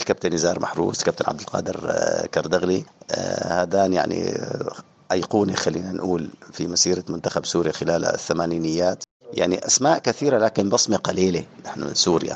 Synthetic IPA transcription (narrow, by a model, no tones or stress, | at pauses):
kab̚t̪anːɪzɑːɾˤmʔaħɾṵːskab̚t̪anʕab̚d̪ɪlqɑ̰ːd̪ɪ̰ɾkɑɾˤd̪aɣli | had̪aːnja̰ʕnḭ | ʔajquːnixalːiːnanʔuːlfimasiːɾamʊnt̪axabsuːɾixɪlaːla̰θːamaːniːnɪjːaːt̪ | ja̰ʕniʔasmaːʔkaθiːɾalaːkɪnbɑsˤmiqɑliːlinaħnṵsuːɾɪja̰